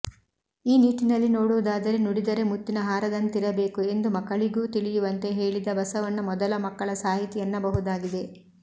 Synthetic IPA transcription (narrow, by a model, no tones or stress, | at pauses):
iːniːʈinɐlːino̞ːɽuʋud̪aːd̪ɐɾenuɽid̪ɐɾe̞mut̪ːinɐɦaːɾɐd̪ɐnːt̪iɾɐbe̞ːkue̞nd̪umɐkːɐɭiɡuːt̪iɭijuʋɐnt̪e̞ɦeːɭid̪ɐbɐsɐʋɐnːɐmɔd̪ɐlɐmɐkːɐɭɐsaːɦit̪ijɐnːɐbɐɦud̪aːɡid̪e̞